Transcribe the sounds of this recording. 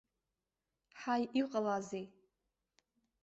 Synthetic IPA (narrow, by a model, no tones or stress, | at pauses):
ħajʔiqʼəlazej